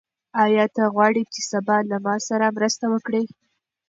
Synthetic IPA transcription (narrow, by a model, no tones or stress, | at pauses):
ɑjɑt̪aɣwɑɽit͡ʃesabɑlamɑsaɾamɾəst̪awəkɽi